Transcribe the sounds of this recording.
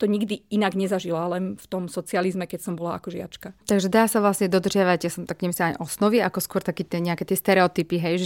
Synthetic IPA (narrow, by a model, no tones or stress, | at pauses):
t̪ɔɲiɡd̪iinaɡɲɛzaʒilalɛnft̪ɔmsɔt͡sializmɛkɛcsɔmbɔlaa̰kɔʒɪa̰t͡ʃkat̪aɡʒɛd̪aːsaʋlasɲɛd̪ɔd̪r̩ʒɪaʋaɟjasɔmt̪akɲɛmisaaɲʔɔsnɔʋiakɔskwɔɾt̪akiːt̪ɛɲɛakɛt̪ɛst̪ɛɾɛɔt̪ipiɦɛjʒ